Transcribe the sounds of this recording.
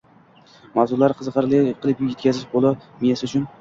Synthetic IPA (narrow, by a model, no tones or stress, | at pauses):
mawzʊɾlaɾqʰɨzʁɑɾlɪqʰɨlˠɪpje̞t̪kʲazɪʃbolˠɪmijasʊt͡ʃʰʊn